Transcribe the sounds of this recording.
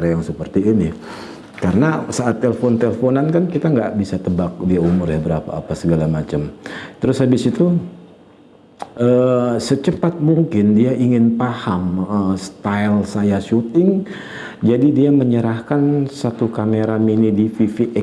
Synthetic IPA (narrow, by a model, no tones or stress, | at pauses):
aɾajaŋsəpərt̪iːni | kaɾənasaːt̪ːeləfɔnt̪eləfonankankit̪aŋɡaʔbisat̪əbak̚diaumʊrabəɾapa̰ːpasəɡalamat͡ʃəmt̪əɾʊshabɪsit̪u | əsət͡ʃəpat̪̚muŋkɪndiaʔiŋɪnpahaməst̪ailsajaʃut̪ɪŋ | d͡ʒadidiaməɲəɾahkansat̪ukameɾaminidififiʔɛ